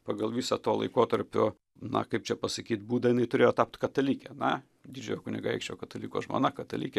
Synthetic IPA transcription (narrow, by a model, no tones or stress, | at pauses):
pɑɡɐlˠʋʲiːsɐt̪oːlˠɐ̰ɪkoːt̪ɐɾʲpʲʊ̰ | nɐ̰kɐɪp̚t͡ʃʲɛpɐsɐkʲiːt̪buːd̪ɐɪnɐɪt̪ʊɾʲeːjoːt̪ɑp̚t̪kɐt̪ɐlʲiːkʲɛnɐ | d̪ʲiːd͡ʒʲʊjoːkʊnʲɪɡɐɐɪkʃʲt͡ʃʲoːkɐt̪ɐlʲiːko̰ːsʒmo̰ːnɐkɐt̪ɐlʲiːkʲɛ